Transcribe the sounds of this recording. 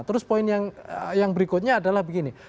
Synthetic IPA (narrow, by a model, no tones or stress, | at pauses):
t̪əɾʊspoɪnjaŋjaŋbəɾikʊt̪̚ɲaːdalahbəɡini